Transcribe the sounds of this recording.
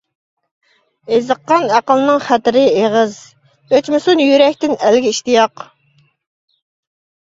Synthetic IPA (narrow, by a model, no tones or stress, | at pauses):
ezəqːɑnæqəlˠɨnɨŋχæt̪ɪɾɪeʁəz | øt͡ʃmɪsunjyɾɛkʲt̪ɪnælɡʲɛiʃt̪ijɑq